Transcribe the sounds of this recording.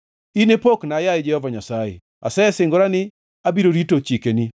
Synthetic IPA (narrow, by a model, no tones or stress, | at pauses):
inepoknajad͡ʒɛhɔvaɲasajḛ | a̰sɛɛsɪŋɡʊɾanɪ | abiɾoɾitot͡ʃikeni